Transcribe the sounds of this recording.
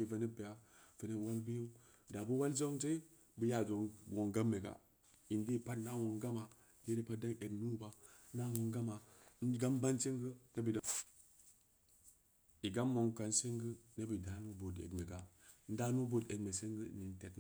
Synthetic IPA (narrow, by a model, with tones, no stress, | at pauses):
i˨va˨ni˦pe˨ja˨fə˨ne˦˨wa˦lbi˦ju˦ | da˨bu˦wa˦lzo˦ŋt͡ʃe˦ | bə˨ja˨zo˨ŋ˨wo˨ŋɡa˦mːe˨ɡa̰˨ | i˨ndi˦˨pa˦tna˦˨wo˨ŋɡa˦ma˨ | de˦ɾe˦pa˦da˦e˨ɡnu˦ba˦ | na˦wo˨ŋɡa˦ma˨n̩˦ɡa˦mba˦nsi˦ŋɡə˦ne˦bi˨d | i˨ɡa˦mːo˨ŋka˨nsi˦ŋɡə˦ne˦bi˨da˨˦nu˦bo˨dḛ˨ɡme˨ɡa˨˦n̩˦da˦nu˦bo˦de˨ɡme˨se˦ŋɡə̰˦˨ni˨n˨te˨t